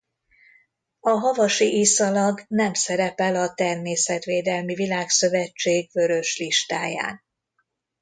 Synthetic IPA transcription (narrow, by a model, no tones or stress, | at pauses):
ɒɦɒvɒʃiʔisɒlɒɡnɛmsɛɾɛpɛlɒt̪ɛrmeːsɛt̪ʋeːd̪ɛlmivilaːksø̞vɛt͡ʃːeːɡvø̞ɾøʃliʃt̪aːja̰ːn